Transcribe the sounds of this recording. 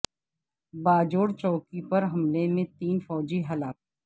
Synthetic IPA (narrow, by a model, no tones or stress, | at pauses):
baːd͡ʒoːɽt͡ʃɔːkipɐɾɦɐmlemẽt̪iːnfɔːd͡ʒiɦɐlaːk̚